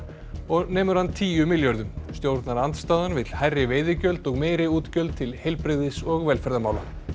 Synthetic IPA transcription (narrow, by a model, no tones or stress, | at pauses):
ɔɣnɛːmʏɾ̥hanːt̪ʰiːjʏmɪljœɾðʏmst̪jowɾt̪naɾant̪st̪aːðanvɪt̪l̥hajrːɪveːjðɪcœlt̪ɔɣmeːjɾɪuːt̪cœlt̪t̪ʰɪlhejlpɾɪɣðɪsɔɣvɛlfɛɾðamaːwla̰